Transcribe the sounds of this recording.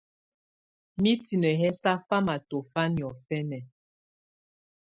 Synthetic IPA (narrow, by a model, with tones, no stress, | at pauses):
mi˦ti˨nə˨ɦɛ˦sa˦fa˦ma˨to˨fa˦njɔ˨fɛ˦nɛ˨